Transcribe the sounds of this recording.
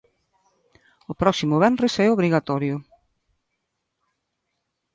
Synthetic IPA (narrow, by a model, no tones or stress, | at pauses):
ʊpɾɔksimʊβɛnresɛoβɾiɣat̪ɔɾjʊ